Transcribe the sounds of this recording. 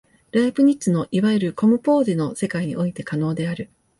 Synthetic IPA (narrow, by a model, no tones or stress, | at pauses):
ɾaipɯ̟ɲ̟itt͡sɨno̞ʔiβaeɾɯ̟ko̞mɯ̟po̞ːd̪eno̞se̞kaiɲ̟ḭʔo̞it̪e̞kano̞ːd̪e̞aɾɯ̟